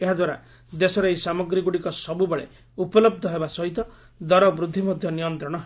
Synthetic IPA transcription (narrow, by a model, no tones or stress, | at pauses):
eɦad̪waɾa̰ | d̪esɔɾejsamɔɡɾiɡuɽikɔsɔbubɔɭḛ | upɔlɔbd̪ʱɔɦebasɔɦit̪ɔ | d̪ɔɾɔbɾud̪ʱːimɔd̪ʱjɔnijɔnt̪ɾɔɽ̃ɔɦ